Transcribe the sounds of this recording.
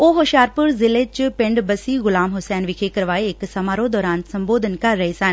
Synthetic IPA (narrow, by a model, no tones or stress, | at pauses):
oːɦoʃaːɾpʊɾzɪleːt͡ʃpɪ̃ɳɖbəsiːɣʊlaːmɦʊsɛːnʋɪkʰekəɾʋaːeɪksɐmaːɾõd̪ɔːɾaːnsɐmboːd̪ʱənkɐɾːəɦesɐn